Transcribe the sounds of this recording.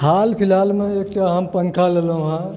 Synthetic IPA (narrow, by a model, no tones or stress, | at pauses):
halkʰilalmeek̚ʈaɦəmpəŋkʰalelẽʋɦã